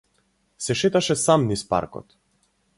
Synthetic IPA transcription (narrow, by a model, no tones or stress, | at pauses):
sɛʃɛt̪aʃɛsamnispa̰ɾkɔ̰t̪